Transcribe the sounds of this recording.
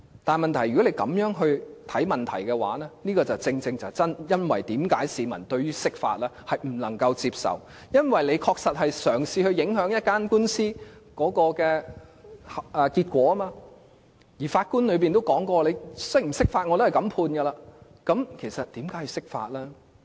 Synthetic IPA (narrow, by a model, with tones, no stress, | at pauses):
t̪aː˨nmɐ˨nt̪ʰɐ˨˩jɥy˨˩kɔ˨˥le˨˧jkɐ̰˨˥mjœː˨˥ŋɦɵ˧ɥt̪ʰɐ˨˥jmɐ˨nt̪ʰɐ̰˨˩jkɛ˧wa̰ː˨˥nɛː˥niː˥kɔː˧t͡sɐ˨wt͡sɪ˧ŋt͡sɪ˧ŋt͡sɐ˨˩wt͡sɐ˥njɐ˥nwɐ̰˨jt̪iː˨˥mkaː˨˥jsiː˨˧mɐ̰˨˩nt̪ɵ˧ɥyː˥sɪ˥k̚fa̰ː˧t̚lɛː˥hɐ˨˩jm̩˨˩lɐ˨˩ŋkɐ˧wt͡siː˧p̚sɐ̰˨w | jɐ˥nwɐ˨jle˨˧jkʰɔː˧k̚sɐ˨t̚hɐ˨jsœː˨˩ŋsiː˧hɵ˧ɥjɪ˨˥ŋɦœː˨˥ŋjɐ˥t̚kaː˥nkuː˥nsiː˥kɔː˨˥kɔː˧kɛː˧ | hɐ˨ʔɛː˨˧kiː˧t̚kʷɔː˨˥ɐ˥maː˧ | jiː˨˩faː˧t̚kuː˥nlɵ˨˧ɥp̬iː˨nt̪o˥wkɔː˨˥ŋkɔː˧le˨˧jsɪ˥m̩˨˩sɪ˥k̚faː˧t̚ŋɔː˨˧t̪o˥hjkɐ˨˥mpʰuː˧nɡɐ˧laː˧ | kɐ˨˥mkʰe˨˩jsɐ˨t̚t̪iː˨˥mkaː˨˥ji˧wsɪ˥k̚fa̰ː˧t̚lɛː˥